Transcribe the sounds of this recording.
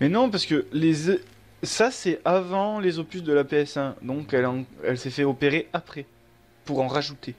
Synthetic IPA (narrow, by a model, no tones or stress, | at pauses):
mɛnɔ̃paʁsə̥kəlez | sasɛavɑ̃lezopysd̪əlapeɛsɛ̃d̪ɔ̃kɛlɑ̃ɛ̰lsɛfɛɔpeʁeʔapχɛ | puʁɑ̃ʁaʒut̪e